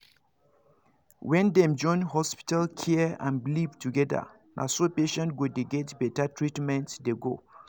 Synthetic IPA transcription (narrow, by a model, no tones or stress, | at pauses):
wɛ̃ndɛ̃md͡ʒɔ̃ɪ̃nhɔspi̥talkʰiã̰nbilivtuɡɛda̰ | nʔa̰sopeʃɛ̃nt̚ɡodeɡɛtbɛtatʰɹitmɛ̃ntdeɡo